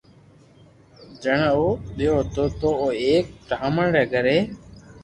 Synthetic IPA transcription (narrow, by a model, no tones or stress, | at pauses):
d͡ʒəɳːoːɗ̪ɪjoːɦt̪oːt̪oːoːeːk̚ʈaːməɳɾɛːɡəɾeː